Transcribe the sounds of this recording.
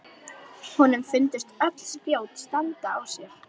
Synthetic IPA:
hɔnːʏmfɪnt̪ʏst̪œkl̥spjoːwt̪st̪ant̪aːwsjɛɾ̥

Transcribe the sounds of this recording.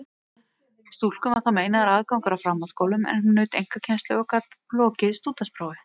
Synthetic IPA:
st̪ul̥kʏmat̪ameːjnaðaɾaːðkawŋkaɾawfɾamːalskowlʏmɛ̰nhunːœːɥt̪ejŋ̥kacʰɛnst̪lʏakat̪plɔːcɪðst̪uːt̪aspɾoːwvɪ

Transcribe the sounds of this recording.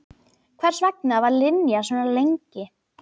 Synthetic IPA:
kʰvɛr̥svɛk̚navaɾlɪnjasvɛːnalejɲcɪ

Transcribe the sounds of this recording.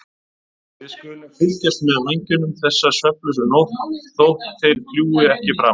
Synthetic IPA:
vɪðskʏlɪmfɪlcɛst̪mɛðameɲcɪnʏmθɛsːasœhplʏsʏnowt̪θowht̪θɪlpljuːɪɛhcɪfɾa̰m

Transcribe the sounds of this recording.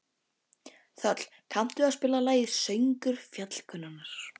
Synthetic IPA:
θœt̪l̥ | kʰam̥t̪ʏaðspɪːlalaːjɪðsejŋkʏɾ̥fjat̪l̥kʰʏnːanaɾ̥

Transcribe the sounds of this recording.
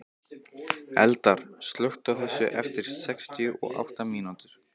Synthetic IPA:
ɛ̰lt̪aɾ̥st̪lœht̪awθɛsːʏ̰ʔɛft̪ɪɾ̥sɛkst̪ʰijʏʔɔ̰ɣa̰wht̪amiːnut̪ʏɾ̥

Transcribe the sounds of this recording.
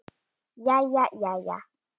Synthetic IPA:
jajajaja̰

